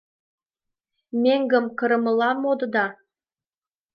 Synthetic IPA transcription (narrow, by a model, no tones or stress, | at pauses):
mʲeŋɡə̆mkɤ̆ɾɤ̆mɤ̆lɑmod̪ɤ̆d̪ɑ